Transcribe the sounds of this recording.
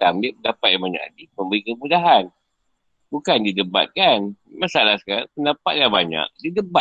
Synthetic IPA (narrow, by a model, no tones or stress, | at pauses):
tamlipəndapat̪̚jãmbaɲa̰ka̰diməmbəɾikəmudaɦan | bukandidəba̰t̪̚kanmasalahskaapəndapa̰t̪̚labaɲa̰k̚didəba